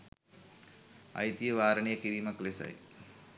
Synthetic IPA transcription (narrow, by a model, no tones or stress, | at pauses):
ɐ̰jt̪ijɐʋaːɾɐɳijɐkiɾiːmɐklesɐ̰j̰